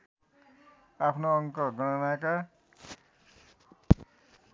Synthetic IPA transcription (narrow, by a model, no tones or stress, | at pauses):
apʰnoːŋkɔɡɔñɔnaka